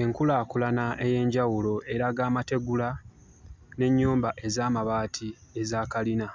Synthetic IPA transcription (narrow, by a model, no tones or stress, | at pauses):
e̞ŋkulaːkulanaʔe̞je̞ːɲɟawulo̞ʔe̞ɾaɡaːmate̞ɡula | ne̞ɲːuːmbaʔe̞zaːmaβaːtʰie̞zaːkalina